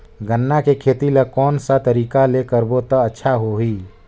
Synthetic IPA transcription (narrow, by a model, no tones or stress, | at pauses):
ɡənːakekʰeːt̪ilakɔːnsat̪əɾiːkalekəɾbot̪əətːʃʰaɦoɦi